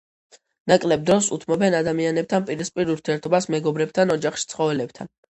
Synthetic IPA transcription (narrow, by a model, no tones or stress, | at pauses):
nakʼlɛb̚d̪ɾɔsṵt̪ʰmɔbɛnad̪amianɛp̚t̪ʰanpʼiɾispʼiɾuɾt̪ʰiɛɾt̪ʰɔbasmɛɡɔbɾɛb̚t̪ʰanɔd͡ʒaχʃi̥t̪sʰχɔvɛlɛb̚t̪ʰa̰n